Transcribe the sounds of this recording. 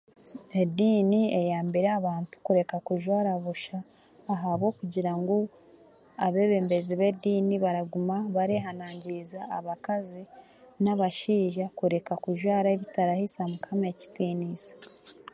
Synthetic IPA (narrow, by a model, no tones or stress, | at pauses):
ediːniejaːmbiɾeaβaːntu̥kuɾe̞kakuʒwaːɾaβuʃaː | ɦaβwo̞ːkuɟiɾaŋɡo | aβe̞ːβe̞ːmbe̞ziβe̞diːniβaɾaɡumaβaɾeɦanaːɲɟiːzaːβakazi | naβaʃiːʒakuɾe̞kakuʒwaːɾaeβitaɾahisamukʰamaeci̥tiːniːsḁ